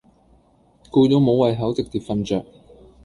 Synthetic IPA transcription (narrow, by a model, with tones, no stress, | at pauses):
kuː˧jo˨˧ŋmo˨˧wwɐ˨jɦɐ˨˥wt͡sɪ˨k̚t̪iː˨p̚fɐ˧nt͡ʃœː˨k̚